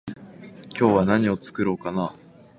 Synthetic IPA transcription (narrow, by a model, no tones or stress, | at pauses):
kʲo̞ːβanaɲ̟io̞t͡sɨ̥kɯ̟ɾoːkanaː